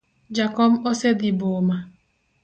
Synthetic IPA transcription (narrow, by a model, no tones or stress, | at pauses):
d͡ʒakɔm̩osediboma